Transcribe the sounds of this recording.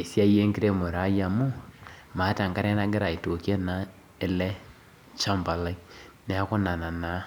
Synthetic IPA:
e˨sja˦je˦ŋɡi˦ɾe˦mo˨ɾa˨˦ja˨mu˦ma˨˦ta˨ŋka˦ɾɛ˦na˦ɡe˦ɾa˨e˨to˨kjɛ˦na˨˦ | e˦lɛ˦ | t͡ʃa˦mba˨la˦ine˨a˦ko˦na˨na˨na˨˦

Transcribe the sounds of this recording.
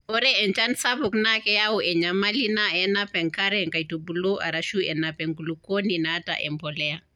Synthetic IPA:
ɔ˦ɾɛɛ˨nt͡ʃa˦nsa˦bu˨knakɛ˦ja˦u˦ʔɛ˨ɲama˦li˦naɛnapɛ˨ŋka˦ɾɛŋka˨itu˨bulo˦ʔa̰˨ɾaʃu˦ɛ̰napɛŋɡu˨luko˦ninaː˦ta̰ʔɛ̰˨mpɔ˨lɛa˨

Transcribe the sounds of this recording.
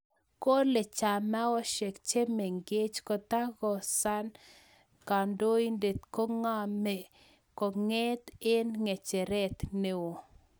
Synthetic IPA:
ko˦le˨t͡ʃa˨ma˦ɔ˦ʃe˨kt͡ʃe˦me˨ŋɡe˦t͡ʃkɔ˨t̪a˦ɣɔ˨sa˦n | ka˨ndo˦i˦nde˨t̪ko˦ŋa˦me˨ | kɔ˨ŋe˦t̪ɪ˦nŋe˨t͡ʃe˨ɾɛ˦t̪ne˨wo˨

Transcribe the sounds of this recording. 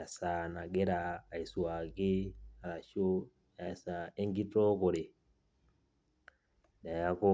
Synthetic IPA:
ja˨sa˨na˨ɡe˦ɾaː˨i˨swa˨ɡe˦a˨ɾa˨ʃo˦ | ja˨sa˨e˦ŋɡi˦tɔ˦ko˨ɾe˨ | n˨a˨ja˦ko˦

